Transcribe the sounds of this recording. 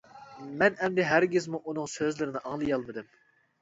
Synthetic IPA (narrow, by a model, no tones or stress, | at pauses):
mɛnɛmd̪ɛɦæɾɡʲɪzmuʔunɨŋsøzlɪɾɪnɪʔɑŋlˠɨjɑlˠmɨd̪ɪm